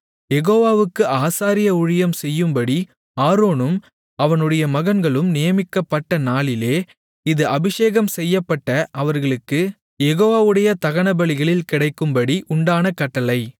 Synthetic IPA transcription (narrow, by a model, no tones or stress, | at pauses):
jɛɣoːʋaːʋɯkːɯʔaːsaːɾɪjɐʊɻɪjɐmsɛjːɯmbɐɽi | aːɾoːnɯm | ɐʋɐnɯɽɐjɐmɐɣɐnɡɐɭɯmnɪjɐmɪkːɐpːɐʈːɐnaːɭɪleː | ɪðɯʔɐbɪʂeːɣɐmsɛjːɐpːɐʈːɐʔɐʋɐɾɣɐɭɯkːɯ | jɛɣoːʋaːʋɯɽɐjɐt̪ɐɣɐɳɐbɐɭɪɣɐɭɪlkɪɽɐɪkːɯmbɐɽiʔʊɳɖaːnɐkɐʈːɐlɐɪ